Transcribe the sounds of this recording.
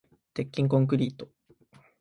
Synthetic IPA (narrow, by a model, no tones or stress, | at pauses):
t̪e̞kʲːĩŋk̬õ̞ŋk̬ɯ̟ɾʲiːt̪o̞